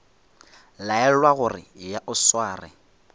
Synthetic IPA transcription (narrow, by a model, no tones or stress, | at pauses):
laɛlwaɣʊrɪ̰jaʔʊswaːrɪ̰